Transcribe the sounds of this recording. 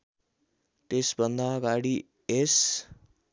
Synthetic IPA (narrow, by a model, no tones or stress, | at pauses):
ʈesbʱʌnd̪aʌɡaɽi | es